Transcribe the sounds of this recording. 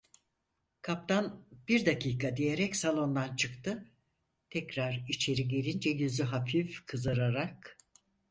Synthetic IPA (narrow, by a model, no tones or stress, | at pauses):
kʰap̚t̪ʰanb̥iɾd̪akʰiːkʰad̪ijeɾɛcsalˠo̞nd̪ant͡ʃʰɯkt̪ʰɯ | t̪ʰɛcɾaɾit͡ʃʰe̞ɾiɟe̞lʲind͡ʒɛjyzyɦafifkʰɯzaɾaɾak